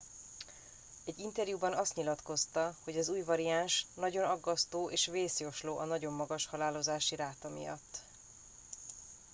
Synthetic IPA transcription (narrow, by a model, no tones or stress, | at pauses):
ɛɟːint̪ɛrjubɒnɒst̪ɲilɒt̪ko̞st̪ɒho̞ɟɒzuːjvɒɾiaːnʃnɒɟo̞nɒɡːɒst̪oːʔeːʃveːsjo̞ʃloːʔɒnɒɟo̞mːɒɡɒʃhɒlaːlo̞zaːʃiɾaːt̪ɒmḭjɒ̰t̪ː